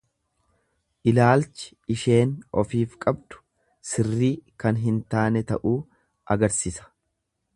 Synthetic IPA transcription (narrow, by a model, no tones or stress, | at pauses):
ʔɪlaːlt͡ʃɪ̥ | ɪʃe̞ːnʔɔfiːfkʼɐbd̪ʊ̥ | sɪrːiːkɐnɦɪnt̪aːnɛt̪ɐʔuː | ʔɐɡɐɾsisɐ̥